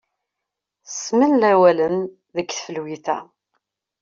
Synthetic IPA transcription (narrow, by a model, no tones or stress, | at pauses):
smənlæwæləm | ðəkːθfəlwiθæ̰